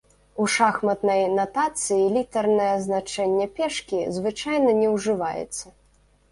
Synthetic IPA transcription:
uʂaxmɐt̪nɐjnat̪at̪sɨjilʲit̪ɐrnɐjɛznat͡ʂɛnʲːɛpʲɛʂkʲizvɨt͡ʂajnɐnʲɛwʐɨvajɛ̰t̪sːɐ

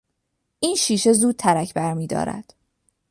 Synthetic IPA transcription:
ʔiːnʃiːʃe̞zuːd̪̚t̪ʰæɾæcʰbæɾmiːd̪ɒ̰ːɾæ̰d̪̥

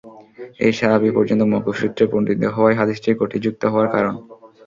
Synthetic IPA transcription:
ḛjʃaɦabipɔɾd͡ʑont̪omɔkoʃɾut̪ːɾeponɖit̪eɦɔoaeɦad̪iʃʈʰiɾkoʈʰid͡ʑuk̚t̪oɦɔoaɾkaɾon

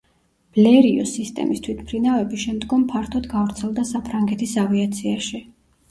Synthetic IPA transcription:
b̥lɛɾiɔ̰sist̪ʼɛ̰mist̪ʰwit̪ʰmpʰɾinavɛbiʃɛmd̪ɡɔmpʰaɾt̪ʰɔd̪ɡavɾt̪sʰɛlˠd̪asapʰɾaŋɡɛt̪ʰisaviat̪sʰiaʃi

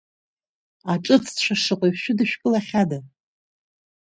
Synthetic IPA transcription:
aʈ͡ʂʼɨt͡sʰt͡ʃʷʰaʂɨqʼajʷʃʷᶣʊdɨʃᶣkʼɨlaχʲada

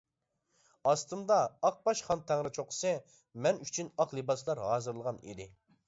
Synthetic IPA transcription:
ɑst̪ɨnd̪ɑːq̚bɑʃχɑnt̪ʰɛŋɾɪt͡ʃʰoqsɨ | mɛnyt͡ʃʰynɑqlˠɨbɑs̬lˠɑɾɦɑːzɨɾlˠəʁɑnḭd̪ɪ

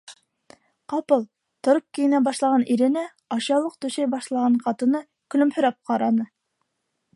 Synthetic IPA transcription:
qɑpɤlˠ | t̪ŏɾop̚kijɘ̆næbɑʃlˠɑʁɑnʔiɾɘ̆næ | ɑɕɑlˠɤq̚t̪ɵ̆ʃæjbɑʃlˠɑʁɑɴqɑt̪ɤ̆nɤ | kɵ̆lɵ̆mhɵ̆ɾæp̚qɑɾɑnɤ

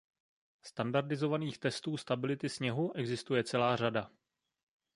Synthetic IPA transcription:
st̪andaɾdɪzo̞vaniːxt̪ɛst̪uːst̪abɪlɪt̪ɪsɲɛɦuʔɛɡzɪst̪ujɛt͡sɛlaːrada

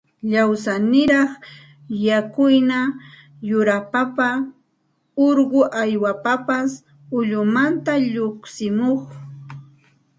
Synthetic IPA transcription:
ʎawsanɪɾɑχ | jakʊjna | jʊɾapapa | oɾɢʊʔajwapapas | ʊʎʊmant̪aʎoχsɪmoχ

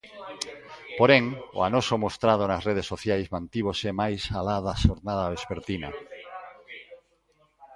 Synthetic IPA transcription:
poɾeŋo̰anosomost̪ɾað̞onasreð̞esːoθjajzmãnt̪iβ̞osemajsalaðaʃoɾnaðaβespeɾt̪ina̰

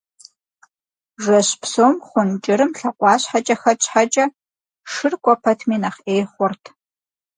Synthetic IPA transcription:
ʒʷɐɕpsoːmχʷʊnt͡ʃʼɪɾɨmɬɐqʷʼɑːɕħat͡ʃʼɐxɐt͡ʃʼħat͡ʃʼɐ | ʂɨrkʷʼɔpʰɐtʰmiːnɐχʔeːχʷɔrtʰ

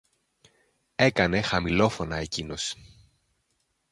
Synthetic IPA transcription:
e̞kɐne̞xɐmilo̞fo̞nɐe̞cino̞s

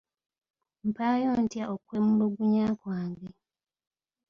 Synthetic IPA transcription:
m̩paːjoːntjaʔokwemuloɡuɲaːkwaːŋɡe

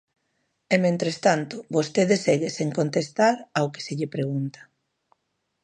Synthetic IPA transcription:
ɛmẽnt̪ɾest̪ant̪ʊβost̪eðeseɣeseŋkont̪est̪aɾawke̥seʎɪpɾeɣunt̪ḁ

